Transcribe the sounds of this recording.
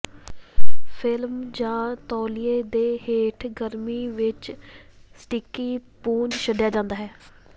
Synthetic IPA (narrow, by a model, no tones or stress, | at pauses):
pʰɪlmd͡ʒãːt̪ɔːlijeːd̪eːɦeːʈʰɡəɾmiːʋɪt͡ʃ | sʈɪkiːpuːnʃəɖjaːd͡ʒãːnd̪aːɦɛː